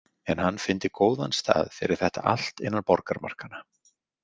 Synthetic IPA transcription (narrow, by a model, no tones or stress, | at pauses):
ɛnhanːfɪnt̪ɪkoːwðanst̪ʰa̰ːðfɪːɾɪɾ̥θɛht̪aʔa̰l̥t̪ɪnːaɾpɔɾkaɾma̰r̥kana